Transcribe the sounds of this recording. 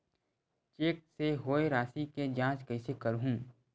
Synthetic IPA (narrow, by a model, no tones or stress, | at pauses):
t͡ʃeːk̚seɦoːeɾaːsiked͡ʒãːt͡ʃkɐisekəɾɦũː